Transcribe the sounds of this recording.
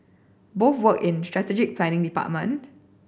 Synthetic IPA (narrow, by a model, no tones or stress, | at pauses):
boθwəkɪ̃nstɹɛtɛd͡ʒɪk̚pʰlɛ̃nɪ̃ŋdipa̰t̚mə̃nt